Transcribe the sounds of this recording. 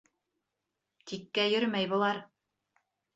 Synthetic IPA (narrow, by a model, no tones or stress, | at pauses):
t̪ikːæjɵɾmæjbŏlˠɑɾ